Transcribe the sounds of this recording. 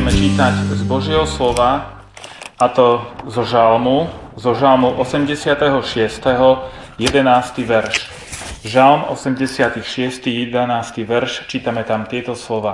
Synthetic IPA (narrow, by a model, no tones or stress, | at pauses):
mɛt͡ʃiːt̪aɟzbɔʒjɛɦɔslɔʋa | at̪ɔzɔʒalmuzɔʒalmuʔɔsɛmɟɛsɪat̪ɛɦɔʃɪɛst̪ɛɦɔ | jɛd̪ɛnaːst̪iʋɛɾʃ | ʒalmɔ̰sɛmɟɛsɪat̪ixʃɪɛst̪ijɛd̪anaːst̪iʋɛɾʃt͡ʃiːt̪amɛt̪amt̪ɪɛt̪ɔslɔʋaː